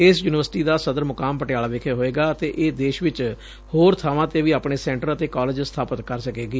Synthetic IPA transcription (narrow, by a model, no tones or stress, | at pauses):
ɪsjuːnɪʋəɾsʈiːd̪aːsəd̪əɾmʊkaːmpəʈɪjaːlaːʋɪkʰeɦoːeːɡaːət̪eːʔeːd̪eːʃʋɪt͡ʃ | hoːɾt̪ʰaːʋãːt̪eːʋiːaːpɳeːsɛ̃ːɳʈəɾət̪eːkaːlɪːd͡ʒst̪ʰaːpət̪kəɾsəkeːɡiː